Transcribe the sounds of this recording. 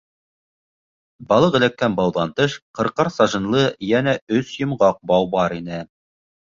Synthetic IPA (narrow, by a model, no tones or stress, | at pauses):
bɑlˠɤʁɘ̆lækːænbɑwðɑnt̪ɤʃqɤ̆ɾqɑɾsɑʒɤ̆nlˠɤjænæɵsjɤ̆mʁɑq̚bɑwbɑɾinɘ